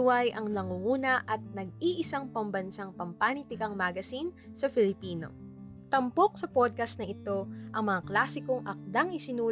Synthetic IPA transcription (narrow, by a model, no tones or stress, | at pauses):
wajʔɐŋnɐŋuuːnɐʔɐt̪̚nɐɡ̚iʔɪsaŋpɐmbɐnsaŋpɐmpaːnit̪ɪɡɐŋmaɡɐsin | sɐfɪlɪpiːno̞̰ | t̪ɐmpo̞k̚sɐpod̪̚kɐst̪nɐʔɪt̪o̞ʔɐŋmɐŋaklaːsɪkoŋʔɐk̚d̪aŋɪsɪnuː